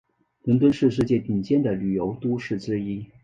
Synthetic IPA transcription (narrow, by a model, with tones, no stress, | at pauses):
lə˧˥nt̪wə˥nʂɻ̩˥˧ʂ̬ɻ̩˥˧t͡ɕjɛ˥˩t̪i˨˩ŋt͡ɕjɛ˥˩nd̪ə˨ly˨˩jo˧˥ʊt̪u˥ʂɻ̩˥˩ʈ͡ʂɻ̩˥i˥